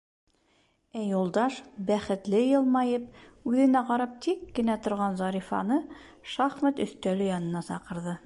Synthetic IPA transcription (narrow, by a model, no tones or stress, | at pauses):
æjulˠd̪ɑʃbæχɘ̆t̪lɘjɤ̆lˠmɑjɤp̚ʉðɘ̆næqɑɾɑp̚t̪ikːɘ̆næt̪ŏɾʁɑnzɑɾifɑ̰nɤʃɑχmæt̪ɵ̆θt̪ælɵjɑnɤ̆nɑsɑqɤ̆ɾðɤ